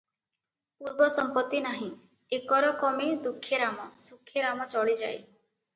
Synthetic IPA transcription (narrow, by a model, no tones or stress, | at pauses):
puɾbɔsɔmpɔt̪ːinaɦĩ | ekɔɾɔkɔmed̪ukʰːjɔɾamɔsukʰːjɔɾamɔt͡ʃɔɭid͡ʒaj